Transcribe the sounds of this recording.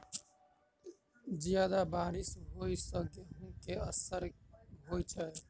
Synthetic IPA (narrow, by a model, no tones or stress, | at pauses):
zijaːd̪abaːɾɪsɦoːisəɡeɦũkeəsəɾɦoːit͡ʃʰae